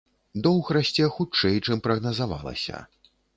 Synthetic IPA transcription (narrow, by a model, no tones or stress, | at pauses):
d̪ɔwɣɾasʲt͡sʲɛxut͡ʂɛjt͡ʂɨmpɾɐɣnɐzava̰lˠɐ̰sʲɐ̰